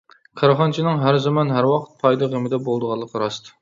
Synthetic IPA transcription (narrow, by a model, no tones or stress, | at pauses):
kʲʰɑɾɑχɑnt͡ʃʰinɪŋɦæɾzɑmɑnɦæɾwɑqʰə̥t̪̚pʰɑjd̪ɑʁemɪd̪ɛbolˠd̪əʁɑlˠːəqɾɑst̪ʰɨ̥